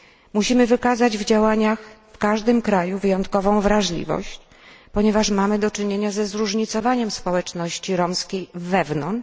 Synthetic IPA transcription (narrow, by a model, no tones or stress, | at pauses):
muɕimɘvɘkazad͡ʑvd͡ʑawaɲaxfkaʐd̪ɘmkɾajuvɘjɔnt̪̚kɔvɔ̃w̃vɾaʐlʲḭvɔ̰ɕt͡ɕ | pɔɲɛvaʂmamɘd̪ɔt͡ʂɘɲeɲazɛzɾuʐɲit̪sɔvaɲɛmspɔwɛt͡ʂnɔɕt͡ɕiɾɔmskʲejvːɛvnɔnt͡ʂ